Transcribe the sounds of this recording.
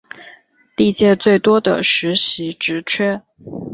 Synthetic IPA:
t̪i˥˧t͡ɕjɛ˥˧t͡swe˥˩ɪt̪wɔ˥d̪ə̰˨ʂɻ̩˧˥ɕi˧˥ʈ͡ʂɻ̩˧˥t͡ɕʰɥɛ˥

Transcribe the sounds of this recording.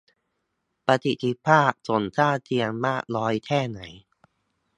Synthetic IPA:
pa˧t̪ʰi˨˩t̪ʰːi˦˥pʰaː˥˩k̚so˩˦nsaː˥˩t͡ɕʰi˧əŋmaː˥˩k̚lɔː˦˥jt̪ʰɛː˥˩na˩˦j

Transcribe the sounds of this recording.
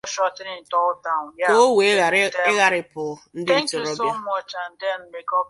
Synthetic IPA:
ɔ˦ʃɔ˦˨sɪ˦nɪ˨tɔ˦ʊ˦da˨o˦we˨˦a˨ɪ˦ɣa˦ɾɪ˨pʊ˨˦n̩˦dɪ˦tʊ˨ɾo˦sa˦m˦ɔ˦t͡ʃa˨n̩˦de˦˨n̩˦me˦kɔ˦˨

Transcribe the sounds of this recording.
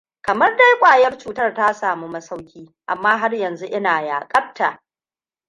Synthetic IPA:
kɐ˨mɐ˦rda˦jkʷʼaː˨jɐ˦rt͡ʃuː˨tɐ˦rta˦saː˨mu˦mɐ˦sa˦wkʲiː˦ʔa˨mːaː˦ɦa˦rjɐ˨nzu˦ʔɪ˦naː˨jaː˨kʼɐ˦b̚ta˨ʔ

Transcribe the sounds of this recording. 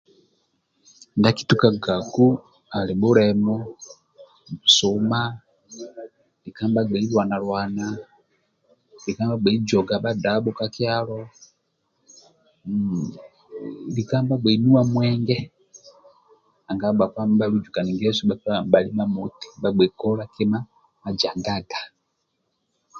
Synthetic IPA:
inda˦ki̥˦tu˨ka˨ɡa˨ku˦ | a˨li˨ɓu˦ɾɛmɔ˦ | bu˨su˨ma˦ | li˨ka˦mba˦ɡ͡bɛ˨i˦lwa˨na˨lwa˨na | li˨ka˦mba˦ɡ͡bɛ˨i˦d͡ʒɔ˨ɡa˨ɓa˦da˨˦ɓɔ˦ka˦kjalɔ˦ | li˨ka˦mba˦ɡ͡bɛ˨i˨nu˦wa˨mwɛ˦ŋɡɛ˦ | a˨ŋɡa˨˦ɓa˨ka˦mba˦lu˦d͡ʒu˨ka˨ni˨ŋɡɛ˦su˦ɓa˨ka˦ba˨li˦ma˦mu˨ti̥˦ɓa˦ɡ͡bɛ˨kɔ˦la˦kɛ˦ma˦ | ma˨d͡ʒa˨ŋɡa˦ɡa˨

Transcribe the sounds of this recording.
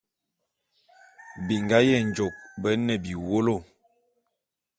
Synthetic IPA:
bi˨ŋɡa˦jɛ˦˨n˨d͡ʒo˨k̚bə˦nə˨bi˨wo˦lo˦˨

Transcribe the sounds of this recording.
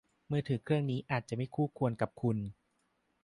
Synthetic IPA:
mɯː˧t̪ʰɯː˩˦kʰɾɯ˥˩əŋniː˦˥ʔaː˨˩t̪̚t͡ɕa˨˩ma˥˩jkʰuː˥˩kʰu˧ənka˨˩p̚kʰu˧n

